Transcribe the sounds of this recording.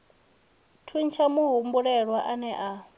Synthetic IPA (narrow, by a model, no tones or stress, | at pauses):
tʰunt͡ʃʰamuɦumbuɺɛɺwaʔanɛʔa